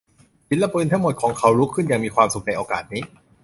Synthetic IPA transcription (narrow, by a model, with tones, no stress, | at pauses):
fi˨˩n̚lɛ˦˥˩pɯː˧nt̪ʰa˦˥ŋmo˨˩t̪̚kʰɔː˩˦ŋkʰa˧˩wɾuː˦˥kʰɯ˥˩nja˨˩ŋmiː˧kʰwaː˧msu˨˩k̚na˧jʔoː˧kaː˨˩t̪̚niː˦˥